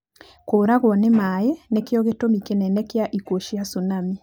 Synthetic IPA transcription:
koːɾaɣwɔnemaenekjɔɣetomikenɛnɛkjaʔikoʃiasunami

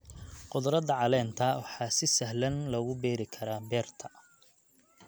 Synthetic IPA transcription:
qʊd̪ɾɐd̪ɐʕɑlɛːnt̪ʰɐwɑħɑːsɪsɐɦlɐnlɐɣʊbɛːɾɪkʰɐɾaːbɛːrt̪ʰɐ

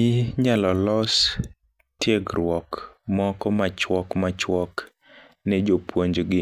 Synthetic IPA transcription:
ɪɲalɔlɔs | tjeɡɾwɔkmɔkɔmat͡ʃwɔkmat͡ʃwɔk | nɛd͡ʒopwoɲd͡ʒɡɪ

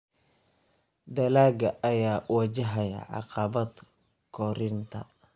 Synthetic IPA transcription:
d̪ɐlaːɡɐʔɐjaːʔwɐd͡ʒɐɦɐjɐ̰ʕɑ̰qɑbɐd̪ | kʰɔɾɪnt̪ʰɐ̰

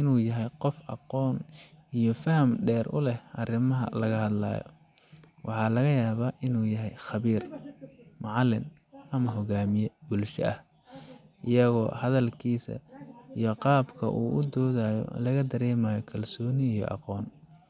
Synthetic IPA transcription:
ʔɪnuːjɐɦɛjqɔfʔɑ̰qɔːnijɔfɐhɐmɖɛːrʔʊ̰lɛhʔɐrɪmɐɦɐ̰lɐɣɐhɐd̪la̰ːjɔ̰ | wʔɑħɑːlɐɣɐjaːβaːʔɪnuːjɐɦɛjχɑβiːr | mɑʕɑlɪn | ʔɐmɐɦɔɣaːmɪjɛbʊlʃɐ̰ʔɐ̰h | ʔɪjɐɣɔ̰ːhɐðɐlkʰiːsɐ̰ijɔqɑːbkʰɐ̰ʔṵːʔʊd̪ɔːðaːjɔ̰lɐɣɐd̪ɐɾɛːmaːjɔkʰɐlsɔːnɪːjɔ̰ʔɑ̰qɔːn

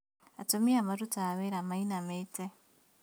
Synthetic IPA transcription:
atomiamaɾutaβeɾamainamete

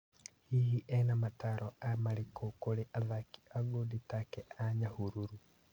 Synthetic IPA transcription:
hihiʔɛnamataɾʔɔamaɾekokoɾeʔaðaki̥aɡoditakɛʔaɲahuɾuɾu

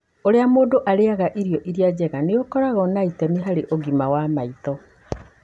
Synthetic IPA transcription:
oɾeamoːdoʔaɾeaɣaʔiɾijɔʔiɾiad͡ʑɛɣaneokɔɾaɣɔnaitɛniɦaɾeʔoɡimawamait̪ɔ

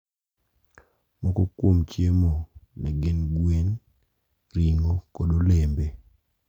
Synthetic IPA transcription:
mɔkɔkwomt͡ʃjemonɛɡɪnɡwen | ɾiŋokodolembe

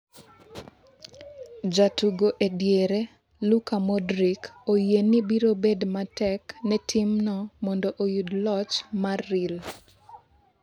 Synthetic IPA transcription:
d͡ʒatuɡoʔedjeɾe | lukamɔdɾikojenibiɾobedmatɛknɛtʰimnɔmɔndoʔojudlɔt͡ʃmarːil

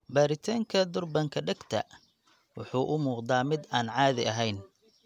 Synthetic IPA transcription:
baːɾɪt̪ʰaːŋkʰɐd̪ʊrbɐŋkʰɐɖɛɡt̪ʰɐ̰ | wʊħuːʔʊmuːqd̪aːmɪd̪aːnʕɑːðɪʔɐɦɛjn

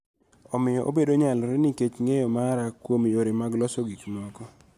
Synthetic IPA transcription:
ɔmɪjɔʔobedoɲalɾɪniket͡ʃŋejɔmaɾakwomjoɾemaɡlɔsɔɡiknwɔkɔ

